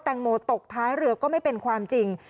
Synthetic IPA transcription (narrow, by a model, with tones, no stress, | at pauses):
t̪ɛː˧ŋmoː˧t̪o˨˩k̚t̪ʰaː˦˥jɾɯ˧ɐkɔː˥˩ma˥˩jpe˧nkʰwaː˧mt͡ɕi˧ŋ